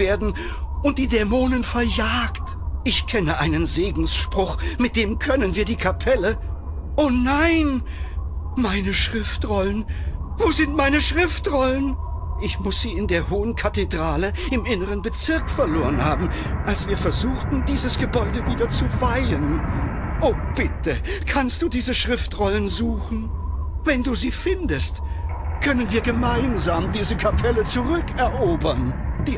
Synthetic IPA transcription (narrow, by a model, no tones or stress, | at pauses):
veːɐdn̩ | ʔʊnt̚d̥iːdɛmoːnənfɛɐjaːkt | ʔɪçkʰɛnəʔaɪnənzeːɡŋ̩sʃpʁ̥ʊχmɪt̚d̥eːmkʰœnənviːɐdiːkʰapʰɛlə | ʔoːnaɪn | maɪnəʃʁ̥ɪftʁɔlənvoːzɪntmaɪnəʃʁ̥ɪftʁɔlən | ʔɪçmʊsz̥iːɪndeːɐɦoːənkʰatedʁaːləɪmʔɪnəʁ̞ənbət͡sɪɐkfɛɐloːʁənhaːbm̩ʔalsv̥iːɐfɛɐzuːxtn̩diːzəsɡ̥əbɔʏdəviːdɐt͡suvaɪlən | ʔoːb̥ɪtəkʰanst̚d̥uːdiːzəʃʁ̥ɪftʁɔlənzuːxn̩ | vɛnduːziːfɪndəstkʰœnənviːɐɡəmaɪnzaːmdiːzəkʰapʰɛlət͡suʁʏkɛɐʔoːbɐnd̥iː